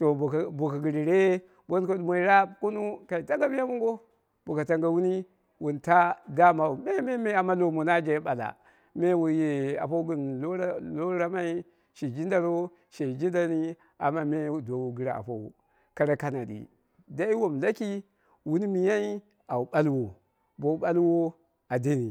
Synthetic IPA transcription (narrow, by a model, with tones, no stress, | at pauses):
to˨bo˨ka˨ɡi˨ɾi˨ɾe˦ | bo˦nko˦dmo˨i˦ɾa˦ku˦nu˦ka˨i˨ta˦ŋɡa˦mi˦ja˦mu˦ŋɡo˦ | bo˨ka˨ta˦ŋɡa˨wu˦ni˦ | wu˨nta˦da˦ma˨u˨be˦me˦me˦a˨ma˦lo˨mo˨na˦d͡ʒa˨˦ɓa˨la̰˨ | me˦wu˨je˨a̰˨pa˦u˦ɡi˨n˨o˦ɾa˦lo˦ɾa˦ma˦i˦ | ʃe˨d͡ʒi˦nda˨ɾo˦ | ʃe˨d͡ʒi˦da˨ni˦ | a̰˨ma˦me˦˨do˨wu˨ɡi˨ɾa˨a̰˨pa˦ṵ˨ | ka˨ɾa˨˦ka˨na˨dḭ˨ | da˦i˦wo˨mla˦ki˦ | wu˦ni˦mi˨ja˦i˦ | a˨u˨ɓa˦lwo˨ | bo˨u˦ɓa˦lwo˦ | a˨di˦ni˨